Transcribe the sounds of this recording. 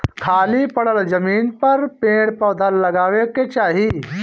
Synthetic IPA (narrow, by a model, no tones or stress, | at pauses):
kʰaːlipɐɽəld͡ʒɐmiːnpɐɾpẽːɽpɔːd̪ʱalːɐɡaːʋeket͡ʃaːɦi